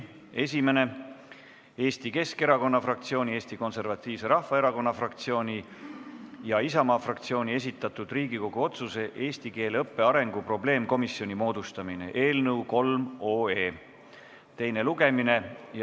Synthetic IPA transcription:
e̞sʲime̞ne̞ | e̞ːst̪ike̞ske̞ɾɑko̞nːɑfrɑk̚t̪sio̞ːnʲie̞ːst̪iko̞nse̞rvɑt̪ːˑiːvse̞ɾɑhfɑe̞ɾɑko̞nːɑfrɑkt̪sio̞ːnʲi | jɑisɑmɑːfrɑkt̪sio̞ːnʲie̞sit̪ːˑɑt̪ud̪riːɡiko̞ɡ̥uo̞t̪suse̞ʔe̞ːst̪ike̞ːlɤpːe̞ɑɾe̞ŋɡ̥upro̞ble̞ːmko̞misːjo̞nʲimo̞ːd̪̥ust̪ɑmine̞̰ʔe̞ːlnɤwko̞lmo̞ːe̞ː | t̪e̞jne̞luɡ̥e̞mine̞j

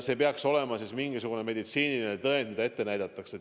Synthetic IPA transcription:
se̞ːpeɑkso̞le̞mɑsismiŋɡisuɡ̥une̞me̞d̪̥it̪siːnilinet̪ɤend̪mid̪ɑe̞t̪ːe̞næjd̪̥ɑt̪ːˑɑkset̪

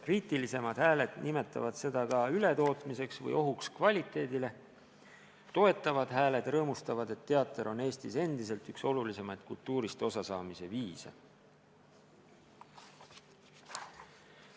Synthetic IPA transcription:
riːt̪ilise̞mɑd̪̥hæːle̞d̪̥nime̞t̪ːˑɑ̰vɑd̪̥se̞d̪̥ɑkɑyle̞t̪o̞ːt̪mise̞ksvɤ̰jo̞ɦukskvɑlʲit̪ːˑe̞ːd̪ile̞ | t̪o̞e̞t̪ːˑɑvɑd̪̥ɦæːle̞d̪̥rɤːmust̪ɑvɑd̪e̞t̪ːe̞ɑt̪ːˑeɾo̞ne̞ːst̪ise̞nd̪̥is̬e̞lt̪ykso̞lulise̞mɑjd̪̥kult̪ːˑuːɾist̪o̞sɑsɑːmise̞viːsɑ̰

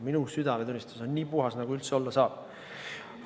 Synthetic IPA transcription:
minusyd̪̥ɑmet̪unʲːist̪u̥sonʲːiːpuɦɑsnɑɡ̥uylt̪seo̞lːɑsɑːb̥̚

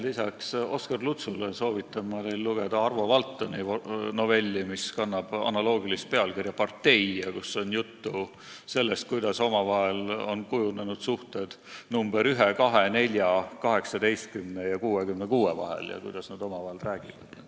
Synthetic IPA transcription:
lisɑkso̞skɑrlut̪suleso̞ːvit̪ːˑɑmːɑnejlːuɡ̥e̞d̪̥ɑɑrvo̞vɑlt̪ːonino̞ve̞lʲːimiskɑnːɑb̥ɑ̰nɑlo̞ːɡilist̪̚pe̞ɑlkirjɑpɑrt̪ːe̞jɑkusːo̞njut̪ːu | se̞lːe̞st̪̚kujd̪̥ɑso̞mɑvɑɦe̞lo̞nkujunenud̪̥suht̪e̞d̪̥numb̥e̞ɾyɦekɑɦe̞ne̞lʲjɑkɑɦe̞ksɑd̪e̞jst̪̚kymnejɑkuːekymnekuːevɑ̰ɦḛljɑ̰kujd̪̥ɑsnɑd̪̥o̞mɑvɑɦelræːɡ̥ivɑ̰d̪̥

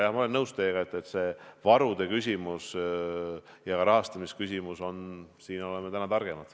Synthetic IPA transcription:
jɑhmɑoe̞nːɤwst̪e̞ːɡ̥ɑet̪ːˑe̞t̪ːse̞ːvɑɾud̪̥e̞kys̬ʲimus | jɑɡɑɾɑɦɑst̪ɑmiskysʲimuso̞nsiːno̞lemet̪ænɑt̪ɑrɡ̥e̞mɑd̪̥

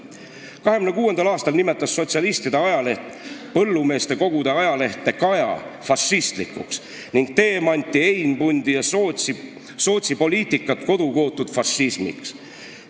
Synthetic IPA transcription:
kɑɦemynekuːe̞nd̪ɑlɑːst̪ɑlnime̞t̪ːˑɑsːo̞t̪ʲsiɑlist̪id̪eɑjɑleh̪pɤlːume̞ːst̪e̞ko̞ɡ̥ud̪̥eɑjɑle̞ht̪ːˑe̞kɑjɑ̰fɑsːist̪likːṵks | niŋɡ̥̚t̪e̞ːmɑnʲt̪ːˑiejnbunʲd̪̥ijɑ | so̞ːt̪sipo̞liːt̪ˑikːˑɑt̪ko̞d̪̥uko̞ːt̪ːˑud̪̥fɑsismḭks

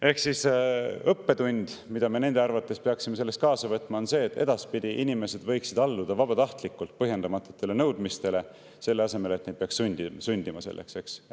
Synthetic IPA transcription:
e̞hksisɤpːe̞t̪unʲd̪̥mid̪ɑmene̞nd̪e̞ɑrvɑt̪ːˑe̞speɑksime̞se̞lːest̪̚kɑːsɑvɤt̪ːˑmɑo̞nse̞ːt̪ːˑe̞̰d̪ɑspid̪̥ʲiʔinime̞se̞d̪̥vɤ̞jksid̪ɑlːud̪ɑvɑb̥ɑt̪ɑht̪likːult̪̚pɤɦje̞nd̪ɑmɑt̪ːˑut̪ːˑe̞le̞nɤwd̪mist̪e̞le̞ | se̞lːe̞ɑse̞me̞lt̪nejd̪̚peɑkssunʲd̪isunʲd̪imɑse̞̰lːʔe̞̰kse̞ks

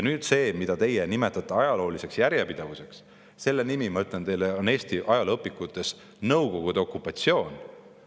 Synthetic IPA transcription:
jɑnyːd̪̥se̞ːmid̪̥ɑt̪e̞jenime̞t̪ːˑɑt̪ːˑɑɑjɑlo̞ːlise̞ksjæɾjepid̪̥ɑvuse̞ks | se̞lːe̞nimimɑyt̪ˑlent̪e̞jleo̞ne̞ːst̪iʔɑjɑlɤpːˑikːut̪ːˑe̞s | nɤwko̞ɡ̥ud̪̥eo̞kːˑupːˑɑt̪sio̞ːn

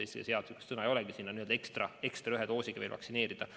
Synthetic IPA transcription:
ejsɑ̰seɑd̪sikːe̥st̪sɤnɑejo̞lɛɡ̥isinːɑniøld̪ɑekst̪rɑe̞kst̪rɑyɦed̪o̞ːsʲiɡ̥ɑʋḛːlvɑ̰ksine̞ːɾid̪̥ɑ

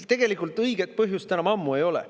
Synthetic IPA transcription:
t̪e̞ɡ̥e̞likːˑult̪ˑɤjɡe̞t̪̚pɤɦjust̪ænɑmɑmːue̞jo̞lḛ

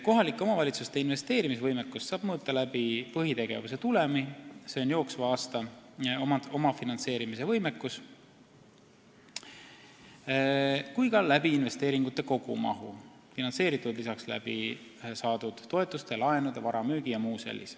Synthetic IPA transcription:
ko̞ɦɑlikːˑeo̞mɑvɑlʲit̪sust̪e̞inve̞st̪e̞ːɾimisvɤjmekːusːɑːb̥mɤut̪ːˑɑlæbipɤɦit̪e̞ɡ̥e̞̰vus̬e̞t̪ulemise̞onjo̞ːksvɑɑːst̪ɑomɑo̞mɑfinɑnse̞ːɾimis̬e̞vɤjme̞kːˑus | kujkɑlæbiːnve̞st̪e̞ːɾiŋɡ̥ut̪ːˑe̞ko̞ɡ̥ṵmɑ̰ɦu | finɑnse̞ːɾit̪ːˑud̪̥lisɑkslæ̰bḭsɑːd̪̥ud̪̥ːo̞e̞t̪ːˑust̪elɑe̞nud̪evɑɾɑmyːɡ̥ijɑmuːsḛlʲːḭs

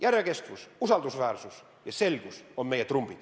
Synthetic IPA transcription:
jærjekest̪ʋususɑld̪usʋæːrsus | jɑselkusommejæt̪rumb̥it̪

